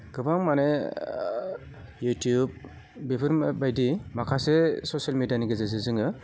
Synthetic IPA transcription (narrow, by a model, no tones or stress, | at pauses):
ɡ̥ɯbaŋmane | jutjub̚ | bibʰɯɾbajdimakʰasesosialmedianiɡɯzezɯzɯŋɯ